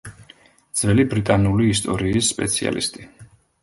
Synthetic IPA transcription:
d̪z̥vɛlibɾit̪ʼanuliːst̪ʼɔɾiːsːpʼɛ̰t̪sʰia̰lḭst̪ʼi̥

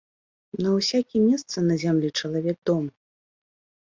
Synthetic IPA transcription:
nɐwsʲakʲimʲɛst̪sɐnɐzʲamlʲit͡ʂɐlˠavʲɛɡ̚d̪ɔm

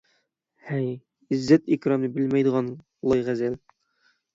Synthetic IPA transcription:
hæj | izːæt̪ikɾɑmnɘbɘlmæjd̪ɤ̆ʁɑn | lˠɑjʁæzæl

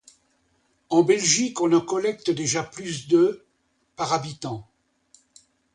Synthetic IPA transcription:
ɑ̃bɛlʒikɔ̃nɑ̃kɔlɛkt̪əd̪eʒaplys̬d̪ø | paʁabit̪ɑ̃

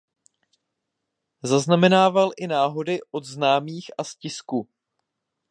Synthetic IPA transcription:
zaznamɛnaːvalʔɪnaːɦo̞dɪʔo̞dznaːmiːxʔascɪsku

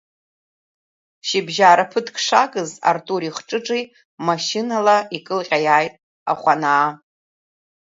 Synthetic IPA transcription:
ʃibʒaːɾapʰɨtʰkʰʼʂakʼɨza̰rtʼuɾiχʈ͡ʂʼɨʈ͡ʂʼij | maʃinalaikʼɨlqʲʼajaːjtʼ | a̰χʷanaː

